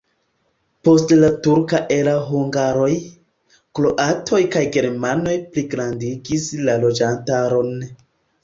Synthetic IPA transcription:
po̞stlatuɾkaʔeɾaɦuŋɡaɾo̞j | klo̞ʔatʰo̞jkajɡe̞ɾmano̞jpliɡɾandiɡislalo̞d͡ʒantaɾo̞n

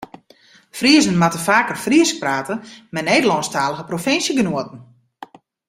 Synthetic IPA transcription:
friəzənmatəfaːkərfriəsk̚praːtəmɛneːdəlɔnstaːləɣəprofɪnsjəɡənuətən̩

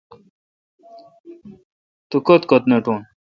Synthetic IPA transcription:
t̪ukot̪kot̪neʈoːn

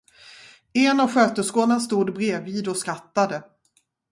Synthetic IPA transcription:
ɛnavɧøːt̪əskoːnanst̪uːd̪bɾeːviːd̪ɔskɾat̪ːad̪ə

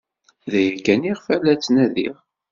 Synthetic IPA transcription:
ðæjækːæniʁfælæt͡sːnæðḭʁ

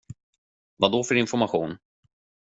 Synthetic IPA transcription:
vad̪ɔfœɾɪnfɔɾmaɧuːn

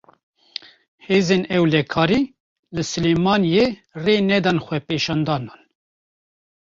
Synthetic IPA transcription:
heːzenɛwlɛkʰɑːɾiː | lɨsɨleːmɑːnjereːnɛd̪ɑnxʷɛpeːʃɑːnd̪ɑːnɑːn

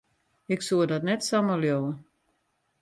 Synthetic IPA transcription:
ɪksuədɔtnɛtsaməljowə

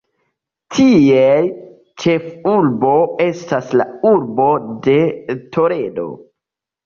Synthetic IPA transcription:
tʰiej | t͡ʃe̞fuɾbo̞e̞stasla̰uɾbo̞de̞tʰo̞ɾe̞do̞̰

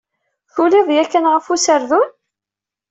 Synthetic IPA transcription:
θuliðˤjækːənʁəfusəɾðun

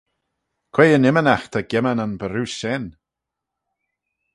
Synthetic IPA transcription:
kʰwejənɪmənaxt̪ʰaɡɛmananbəɾʉsɛn

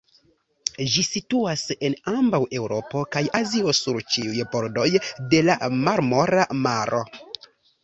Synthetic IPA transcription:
d͡ʒisituase̞nambawʔe̞wɾo̞po̞kajʔaziosuɾt͡ʃiujbo̞ɾdo̞jde̞lamaɾmo̞ɾamaɾʔo̞̰

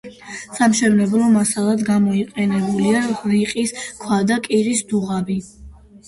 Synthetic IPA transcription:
samʃɛvnɛblˠɔmasalˠad̪ɡamɔiqʼɛnɛbuliaɾiqʼiskʰwad̪akʼiɾisd̪uʁabi

